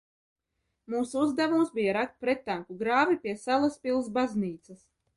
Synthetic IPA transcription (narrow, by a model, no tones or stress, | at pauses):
muːsuuzd̪ɛvumsbijaɾak̚t̪̚pɾet̪ːaŋkuɡɾaːvʲipʲiɛsalˠaspʲilˠs̬bazniːt̪sas